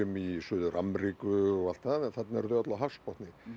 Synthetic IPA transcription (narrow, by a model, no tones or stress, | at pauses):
ʏmisʏːðʏɾʔamɾikʏɔɣal̥t̪aðɛnθat̪naɛɾðœat̪laɦafspɔht̪nɪ